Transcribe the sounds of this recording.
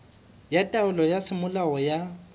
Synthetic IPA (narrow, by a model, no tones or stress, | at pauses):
jatʼaʊlɔjasɪmʊlaɔja